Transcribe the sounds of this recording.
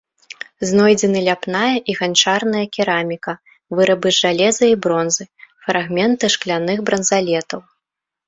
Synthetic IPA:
znɔjd͡zʲɛnɨlʲapnajɐʔiɣant͡ʂarnɐjɐkʲiɾamʲikɐ | vɨɾɐbɨʐalʲɛzɐibɾɔnzɨfɾaɣmʲɛnt̪ɨʂklʲanɨxbɾɐnzalʲɛt̪ɐw

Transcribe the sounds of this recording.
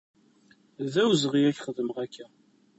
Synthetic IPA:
ðæwzəʁiæçχəðəməʁækʰːæ

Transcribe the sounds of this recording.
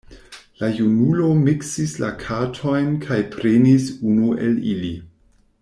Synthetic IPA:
lajunulo̞miksislakʰatʰo̞jnkʰajpʰɾenisunue̞̰lili

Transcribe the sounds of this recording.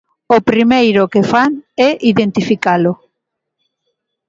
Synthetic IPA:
opɾimejɾʊkefaŋɛʔiðent̪ifikalʊ

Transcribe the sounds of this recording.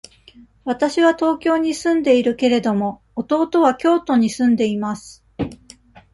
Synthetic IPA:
βat̪aɕiβat̪o̞ːkʲo̞ːɲ̟isɨ̃nd̪e̞iɾɯ̟ke̞ɾe̞d̪o̞mo̞ | ot̪o̞ːt̪o̞β̞akʲo̞ːt̪o̞ɲ̟isɨ̃nd̪e̞imasɨ̥

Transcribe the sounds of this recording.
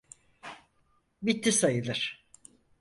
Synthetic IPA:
bit̪ʰːisajɯlˠɯɾ̥

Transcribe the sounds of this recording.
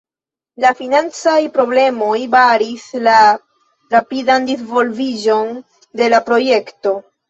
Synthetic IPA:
lafinant͡sajpɾo̞ble̞mo̞jbaɾisla | ɾapidandizvo̞lvid͡ʒo̞n | de̞lapɾo̞je̞kto̞

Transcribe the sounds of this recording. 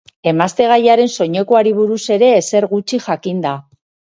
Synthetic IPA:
e̞mast̪e̞ɣ̞ajaɾe̞nso̞ɲe̞koaɾiβ̞uɾuse̞ɾe̞ːse̞ɾɣut͡ʃiʝakind̪a

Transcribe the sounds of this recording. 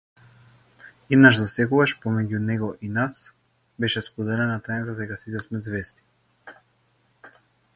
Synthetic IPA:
inaʃzasɛkuvaʃpɔmɛɟunɛɡɔʔinas | bɛʃɛspɔd̪ɛlɛnat̪anat̪ad̪ɛkasit̪ɛsmɛzvɛst̪i̥

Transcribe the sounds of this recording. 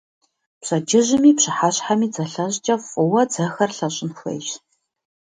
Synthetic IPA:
pɕɐd͡ʒɪʑɪmiːpɕɪħaɕħamiːd͡zɐɬɐɕt͡ʃʼɐfʼʊwɐd͡zɐxɐrɬɐɕʼɪnxʷɐ̰jɕ

